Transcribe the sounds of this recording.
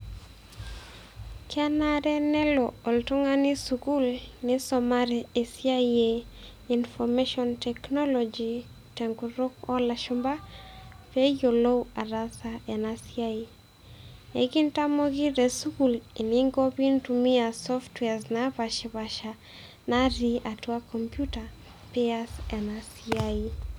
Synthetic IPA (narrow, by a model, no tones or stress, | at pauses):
kanaɾɛnɛlɔɔltɔŋanɪsukulnɪsɔmaɾɛesiaie | infɔmeʃɔntɛknɔlɔd͡ʒi | tɛŋɡuɾokɔlaʃumba | pejolowaɾasaɛnasiai | ḛɡintamɔɡiɾɛsukuleniŋɡɔpintumiasɔftwɛaznaβaʃiβaʃa | naɾiatuakɔmpjuta | pɛasɛnasiai